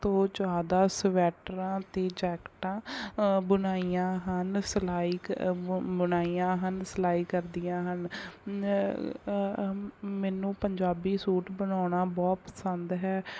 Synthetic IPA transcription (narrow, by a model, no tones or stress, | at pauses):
t̪õːd͡ʒaːd̪aːsʋɛːʈɾãːt̪eːd͡ʒɛːkʈãːbənaːiːãːɦənslaːiː | bənaːiːjãːɦənsəlaːiːkəɾd̪ijãːɦən | mɛːnũːpəɲd͡ʒaːbiːsuːʈbənaːɽaːbɔːt̪̚pəsənd̪ɦɛː